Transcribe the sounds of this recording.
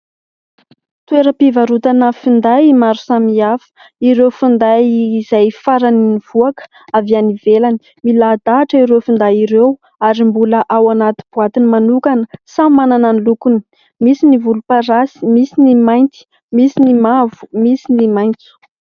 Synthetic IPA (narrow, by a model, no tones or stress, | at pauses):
t̪ueɾəpivaɾut̪anəfind̪ajmaɾusamiafə̥ | iɾewfund̪ajːzajfaɾaniniv̥uakə̥ | avianivelani̥ | milad̪aːʈ͡ʂəiɾewfind̪aiɾew | aɾimbuləʔawanat̪ib̥uat̪inimanukanəsamanananlukuni̥ | misinivulupaɾasi̥misinimajnt̪i̥ | misinimavu̥misinimajnt͡su̥